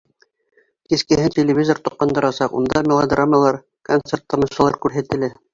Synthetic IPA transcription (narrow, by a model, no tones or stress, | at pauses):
kiskɘ̆ɦɘnʲtʲelʲɪvʲizort̪ŏqːɑnd̪ɤ̆ɾɑsɑqṵnd̪ɑmʲɪlˠod̪raməlˠɑɾ | kont̪sert̪ːɤ̆mɤ̆ʃɤ̆lˠɑɾkʉɾɦæt̪ɘ̆lɘ